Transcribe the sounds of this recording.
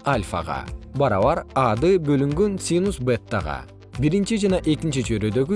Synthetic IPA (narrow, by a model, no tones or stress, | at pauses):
alʲfa̰ʁɑ̰bɑɾɑβɑɾɑd̪ɯbø̞lyŋɡønsʲinusbet̪ːa̰ʁɑ̰ | biɾint͡ʃid͡ʒɑnɑʔe̞kint͡ʃit͡ʃøɾød̪ø̞ɡy